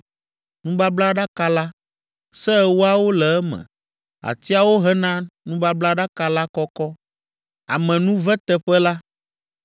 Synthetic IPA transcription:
nũ˦ba˦bla˦ɖa˦ka˦la˦ | sɛ˦˨wo˦a˦wo˦lɛ˨ɛ˦mɛ̰̃˨ | a̰˨t̪i˦a˨wo˦ɦɛ˦nã˦nũ˦ba˦bla˦ɖa˦ka˦la˦kɔ˦kɔ˦ | a̰˨mɛ̃˨nũ˦vɛ˦t̪ɛ˦ɸɛ˦la˦

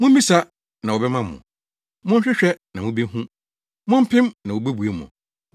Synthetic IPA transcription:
mʊ̃˦ĩ˦sa˦ | nã˨wɔ˨bɛ˦mã˦mʊ̰̃˨ | mʊ̃˦ɕᶣɪ˦ɕᶣɛ˦nã˨mũ˦bi˦ɦũ˦ | mʊ̃˦m̩˦pʰɪ̃˦mnã˨wo˨bæ˦bu˨e˨˦mʊ̰̃˨

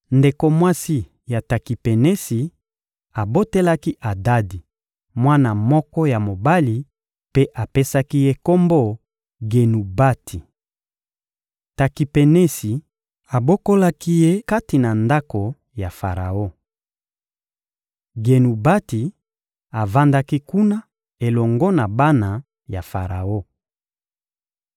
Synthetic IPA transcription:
nde˨ko˨mwa˦si˦ | ja˨ta˨ki˨pe˨ne˦si˨ | a˨bo˦te˦la˦ki˦ʔa˨da˦di˨ | mwa˦na˨mɔ˦kɔ˦ja˨mo˨ba˦li˨ | pe˦ʔa˨pe˦sa˦ki˦je˦ko˦mbo˦˨ | ɡe˨nu˨ba˦tʰi˨ | ta˨ki˨pe˨ne˦si˨ | a˨bo˦ko˦la˦ki˦je˦ka˦ti˨na˨nda˦ko˨ | ja˨fa˨ʁa̰˨o˦ | ɡe˨nu˨ba˦ti˨ | a˨va˦nda˦ki˦ku˦na˦ | e˨lɔ˨ŋɡɔ˦na˨ba˦na˨ | ja˨fa˨ʁa̰˨o˦

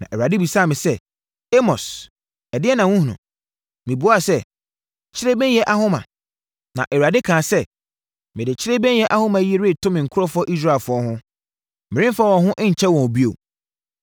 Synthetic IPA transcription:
nã˨ʔɛ˨a˨dɪ˦bi˨sa˦˨mɪ̃˨sɛ˦˨ | e˦mɔ˨s | ɛ˨dɪ˦ɛ˦nã˨wũ˦hũ˨nʊ̰̃˨ | mɪ̃˨bu˨˦a˦˨sɛ˦ | t͡ɕʰɪ˦ɾe˦bɛ̃˦n˦jɛ˦ʔa˦ɦʊ̃˦mã̰˨ | nã̰˨ʔɛ˨wa˨dɪ˦kʰãː˨sɛ˦ | mɪ̃˨dɪ˨t͡ɕʰɪ˦ɾe˦bɛ̃˦n˦jɛ˦ʔa˦hʊ̃˦mã˨˦ji˦e˦ɾɪ˦˨tʰʊ̃˦mɪ̃˨ŋ̩˨kʰʊ˦ɾɔ˦fʊ˦ɔ˦ʔi˦s̬ɾa˦e˨lfʊ˨˦ɔ˦ɦʊ̃˦ | mɪ̃˨ɾɪ̃˦mfa˦wɔ̃˨ɦʊ̃˦ʔɪ̃˦ɲ̩˨t͡ɕʰɛ˦wɔ̃˨bi˦o̰˨

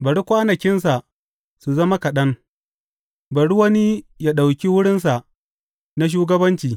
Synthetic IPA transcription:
bɐ˨ɽi˦kʷaː˦nɐ˨kʲɪ˦ns̬a˨ʔ | su˨zɐ˦ma˦kɐ˨ɗɐ˦ŋ | bɐ˨ɽi˦wɐ˦ni˦ja˦ɗa˨wkʲi˦wʊ˦ɽɪ˦ns̬a˨ʔ | na˦ʃ̬uː˦ɡɐ˦bɐ˦nt͡ʃiː˨

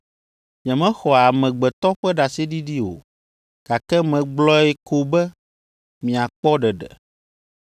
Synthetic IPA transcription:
ɲɛ̃˨mɛ̃˦xɔ˨a˨mɛ̃˨ɡ͡bɛ˨t̪ɔ˦ɸɛ˦ɖa˨si˦ɖi˦ɖi˦o̰˨ | ka˨kɛ˦mɛ̃˨ɡ͡blɔ˦ɛ˦kʰo˦bɛ˦ | mĩ˨a˨k͡pɔ˦ɖɛ˨ɖɛ̰˨

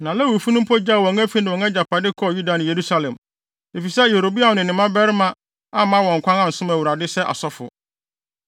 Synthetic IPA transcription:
nã˨lɛ˦wu˨fu˦nʊ̃˦m˦pʰɔ˦d͡ʑa˦˨wɔ̃˨ŋæ˦fi˦nɪ̃˨wɔ̃˨ŋɛ˦d͡ʑa˨pʰa˨dɪ˦kʰɔ˦˨ju˦da˨nɪ̃˨je˨ɾu˦sa˨lɛ̃˨m | e˨fi˨sɛ˦je˨ɾo˨bi˦a˨nɪ̃˨nɪ̃˨mã˦bɛ˦ɾɪ˦mã˦ | a˦mã˦wɔ̃˨ŋ̩˨kʷã˦nã˦n̩˨sʊ̃˦mæ˨wu˨ɾa˨dɪ˦sɛ˦ʔa̰˨sɔ˦fʊ̰˨

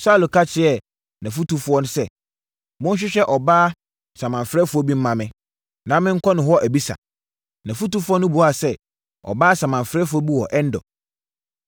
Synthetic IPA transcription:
sa˦lo˨kʰa˦t͡ɕʰɪ˦ɛ˨ | nã˨fu˦tu˦fʊ˦ɔ˦n˦sɛ˦ | mʊ̃˦n̩˦ɕ̬ᶣɪ˦ɕᶣɛ˦ʔɔ˨baː˦ | sã˨mã˨ɱfɾɛ˦fʊ˦ɔ˦bi˦m̩˦mã˨mɪ̃˦ | nã˨˦mɪ̃˦ŋ̩˦kʰɔ˦nʊ̃˨ɦɔ˦ʔæ˨bi˦sa̰˨ | nã˨fu˦tu˦fɔ˦nʊ̃˦bu˨a˨sɛ˦ | ɔ̰˨baː˦sa˨mã˨ɱfɾɛ˦fʊ˦ɔ˦bi˦wɔ˨ʔɛ˦n̩˦dɔ̰˨

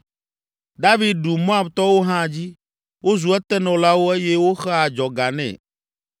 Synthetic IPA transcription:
d̪a˦vi˦d̪̚ɖu˨mõ˦a˨bt̪ɔ˦wo˦ɦã˦˨d͡ʑi˦ | wo˦zu˨ɛ˦t̪ɛ˦nɔ̃˨la˦wo˦ɛ˦jɛ˦wo˦xɛ˦a˨d͡ʒɔ˨ɡa˨nɛ̰̃˨

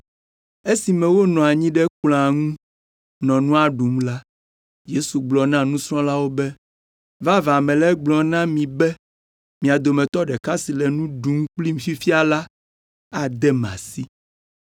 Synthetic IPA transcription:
e˦si˨mɛ̃˨wo˦nɔ̃˨a˨ɲĩ˦ɖɛ˦kl̃a˨ŋũ˦ | nɔ̃˨nũ˦a˦ɖu˨mla˦ | je˦su˨ɡ͡blɔ˨nã˦nũ˦sɾɔ̃˦la˦wo˦bɛ˦ | va˦vã˨mɛ̃˨lɛ˦ɡ͡blɔ˨nã˦mĩ˨bɛ˦ | mĩ˨a˨d̪o˨mɛ̃˨t̪ɔ˦ɖɛ˨ka˦si˨lɛ˨nũ˦ɖu˨˦m˦k͡pli˦m˨fi˦fi˦a˨la˦ | a˨d̪ɛ˦m˨ã̰˨si˦

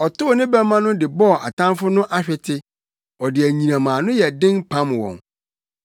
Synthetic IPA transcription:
ɔ˨tʊ˦˨nɪ̃˦bɛ˦mã˦nʊ̃˦dɪ˨bɔ˦˨a˨tʰã˦nfʊ˦nʊ̃˦ʔa˦ɕᶣɛ˨tʰɪ˦ | ɔ˨dɪ˨æ˨ɲĩ˨nã˨mãː˨nʊ̃˦jɛ˨dɪ̃˦npʰã˦mwɔ̰̃˨ŋ

